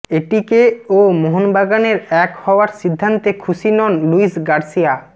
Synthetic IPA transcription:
eʈikeomoɦonbaɡaneɾɛkhɔwaɾsid̪ʱːant̪ekʰusinɔnluisɡaɾsija

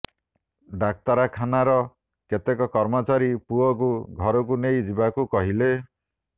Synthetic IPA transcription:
ɖak̚t̪aɾakʰanaɾɔ | ket̪ekɔkɔɾmɔt͡ʃaɾipuɔk̬uɡʱɔɾɔk̬unejd͡ʒibakukɔɦile

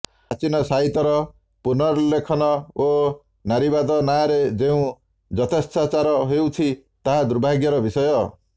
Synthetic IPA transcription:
at͡ʃinɔsaɦit̪ɔɾɔ | punɔɾlekʰɔnɔo | naɾibad̪ɔnaɾed͡ʒeũ | d͡ʒɔt̪ʰest̪at͡ʃaɾɔɦewt͡ʃʰit̪aɦad̪uɾbʱaɡjɔɾɔbisɔjɔ

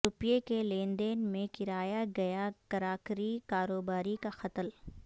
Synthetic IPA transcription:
ɾʊpjekelẽːnd̪eːnmẽkɪɾaːjaɡɐjakɐɾaːkɾikaːɾoːbaːɾikaxɐt̪əl

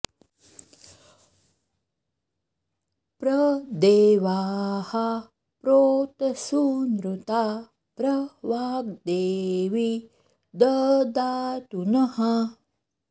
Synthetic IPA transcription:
pɾɐd̪eːʋaːhɐ | pɾoːt̪ɐsunɾut̪aː | pɾɐʋaːk̚d̪eːʋi | d̪ɐd̪aːt̪unɐɦɐ

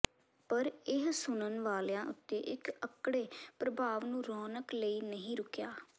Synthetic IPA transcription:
pəɾɪɦsʊnənʋaːlːãːʔʊ̰t̪ːeːʔɪkəkɽeːpɾəbʱaːʋnũːɾɔːnəkləiːnəɦĩːɾʊkjaː

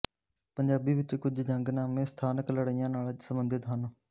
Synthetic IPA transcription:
pəɲd͡ʒaːbiːʋɪt͡ʃkʊd͡ʒd͡ʒəŋɡnãːmẽːst̪ʰaːnəkləɽəɪjãːnaːlsəmbənd̪ʱɪt̪ɦən

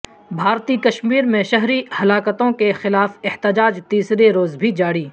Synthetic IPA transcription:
bʱaːɾt̪ikɐʃmiːɾmẽʃɐɦɾihɐlaːkət̪õkexɪlaːfɪht̪ɪd͡ʒaːd͡ʒt̪iːsɾeɾoːzbʱid͡ʒaːɽiː

